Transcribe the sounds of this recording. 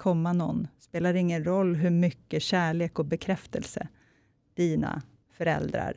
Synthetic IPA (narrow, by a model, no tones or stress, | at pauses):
kʰɔmːanɔ̰nːspeːlaɾɪŋːənɾɔlːɦɵɾmʏkːəɕæːɭeːkɔbɛkʰɾɛft̪əlsə̰ | d̪̥iːna̰ | fœɾɛ̰ld̪ɾa̰ɾ